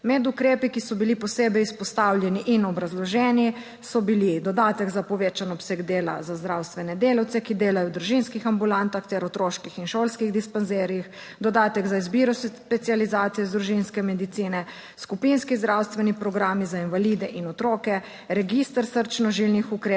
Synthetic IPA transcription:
mɛd̪ukɾeːpikisɔbilipɔseːbɛjuspɔst̪awljɛniʔinɔbɾazlɔʒɛni | sɔbilid̪ɔd̪aːt̪ɛɡzapɔʋet͡ʃanɔpsɛɡd̪eːla̰zazd̪ɾawst̪ʋɛnɛd̪eːlawt̪sɛkid̪eːlajɔwd̪ɾuʒinskixambulant̪axt̪ɛɾɔt̪ɾoːʃkixinʃolskiɣd̪ispanzeːɾjix | d̪ɔd̪aːt̪ɛɡzaizbiɾɔspɛt̪sializaːt̪sijɛzd̪ɾuʒinskɛmɛd̪it̪siːnɛ | skupinskizd̪ɾawst̪ʋɛnipɾɔɡɾaːmizainvaliːd̪ɛʔinɔt̪ɾoːkɛ | ɾɛɡist̪əɾsəɾt͡ʃnɔʒilnixukɾe

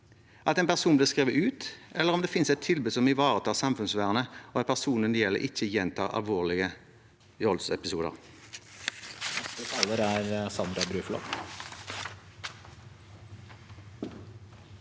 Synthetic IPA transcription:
ʔɑt̪ɛɪnpʰæʁsuːnb̪liːʁskʁeːʋəʉːt̪ʔɛlːəʁɔmd̪eːfɪnsɛt̪ʰːɪlbʉːsɔmɪʋɑːʁət̪ʰɑːsɑmfʉnsʋæːʁənəoːɑpʰæʁsuːnənjɛlə̰ʁʔɪçːəjɛnt̪ʰɑ̰ːɑ̰lʋoːʁlɪɡə | jɔlsɛpɪsuːd̪ə̰ʁ | ət̪ʰɑːləɾæɾsɑnd̪ɾɑbɾʉːflɔ̰t̪

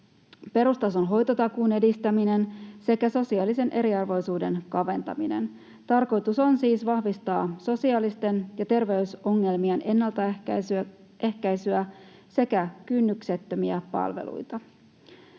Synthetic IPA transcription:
pe̞ɾust̪ɑso̞nɦo̞jt̪o̞t̪ɑkuːne̞dist̪æmine̞nse̞kæso̞siɑːlːise̞nʔe̞ɾiɑrʋo̞jsuːde̞nkɑʋe̞nt̪ɑ̰minḛn | t̪ɑrko̞jt̪uso̞nsiːsʋɑhʋist̪ɑːso̞siɑlist̪e̞njɑt̪e̞rʋe̞yso̞ŋːe̞lmienʔe̞nːɑlt̪ɑ | e̞hkæjsyæ | se̞kækynːykse̞t̪ːø̞miæpɑ̰lʋe̞̰lṵjt̪ɑ

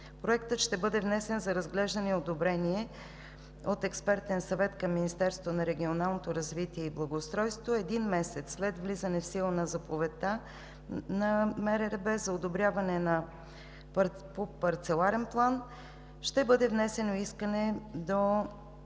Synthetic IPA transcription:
pɾoɛkt̪ət̪ʃt̪ɛbɤd̪ɛvnɛsɛnzɐɾɐzɡlɛʒd̪ənɛod̪obɾɛniɛ | ot̪ɛkspɛɾt̪ɛnsɐvɛt̪kɐmːinist̪ɛɾst̪vonɐɾɛɡʲionalˠnot̪oɾɐzvit̪iɛiblˠɐɡoːst̪ɾɔjst̪voɛd̪inmɛsɛt̪sːlɛt̪vlizənɛfsilˠənɐzɐpovɛt̪a | nɐmɛɾɛɾɛbɛzɐod̪obɾʲjavɐnɛnɐ | p | popɐɾt̪sɛlˠaɾɛnplˠan | ʃt̪ɛbɤd̪ɛvnɛsɛnoiskənɛd̪o

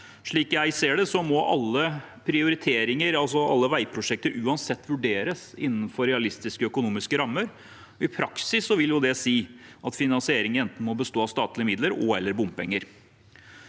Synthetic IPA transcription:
ʂɭiːkjæɪseːɖɛsɔmɔʔɑ̰lːə | pʰɾɪʊɾɪt̪ʰeːɾɪŋəɾɑls̬ɔʔɑ̰lːəʋæɪpʰɾʊʂɛk̚t̪əɾʉːɑnsɛt̪ːʋʉɖeːɾəsɪ̰nːn̩fɔɾɛɑlɪst̪ɪskəœkʊnuːmɪskəɾɑmːəɾ | ɔɪpʰɾɑksɪsːɔʋɪljʊd̪ɛsiːʔɑt̪fɪnɑnsɪeːɾɪŋɛnt̪n̩mɔbəst̪oːɑst̪ɑːt̪lɪəmɪd̪ləɾɔ̰ɛlːəɾbʊmpɛŋːəɾ

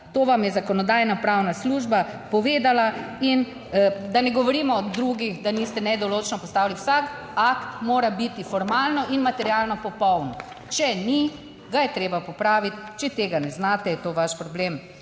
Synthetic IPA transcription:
t̪oːʋamjɛzakɔnɔd̪aːjnapɾawnasluːʒbapɔʋeːd̪alain | d̪anɛɡɔʋɔɾiːmɔːd̪ɾuːɡixd̪anist̪ɛnɛd̪ɔloːt͡ʃnɔpɔst̪aːwliwsak | akt̪moːɾabit̪ifɔɾmalnɔʔinmat̪ɛɾjalnɔpɔpɔwnɔ | t͡ʃɛni | ɡajɛt̪ɾeːbapɔpɾaːʋit̪t͡ʃɛt̪eːɡanɛznaːt̪ɛjɛt̪oːʋaʃpɾɔblem

